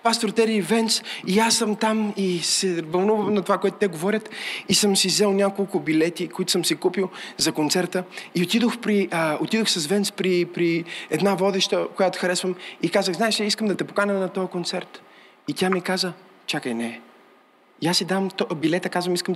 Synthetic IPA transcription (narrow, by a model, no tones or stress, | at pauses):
past̪oɾt̪ɛɾiːvɛnt̪siasːəmt̪amisɛvɐlˠnuvəmnɐt̪ovakoɛt̪ʊ̥t̪ɛɡovɔɾʲət̪isəmsizɛlˠnʲakolˠkʊbilɛt̪ikoit̪ʊ̥sɤmsikupilˠzɐkont̪sɛɾt̪əiot̪id̪oxpɾiot̪id̪oxsɐzvɛnt̪spɾipɾiɛd̪navɔd̪ɛʃt̪əkojat̪o̥xɐɾɛsvəmikazəɣznaɛʃɛiskəmd̪ɐt̪ɛpokanɛnɐt̪ɔjəkont̪sɛɾt̪ | it̪ʲjamikazə | t͡ʃakəjnɛ | iasːid̪amt̪bilɛt̪əkazvəmiskəm